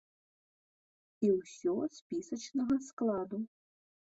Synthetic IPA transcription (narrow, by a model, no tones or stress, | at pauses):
iwsʲɔspʲisɐt͡ʃnɐɣɐsklˠad̪u